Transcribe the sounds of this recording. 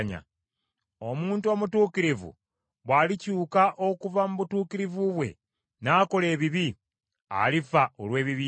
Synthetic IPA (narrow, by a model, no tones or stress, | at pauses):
ɲa̰ | o̞muːntuoːmutuːkiɾivṵ | βwaːlicuːkaʔo̞kuvamuβutuːkiɾivuβwe̞̰ | naːko̞le̞ːβiβi | a̰lifaolwe̞ːβiβi